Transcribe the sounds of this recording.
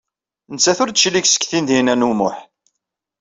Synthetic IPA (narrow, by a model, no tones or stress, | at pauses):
nt͡sːæθʊɾd̪t͡ʃːliçsə̥kːθind̪inænumʊħ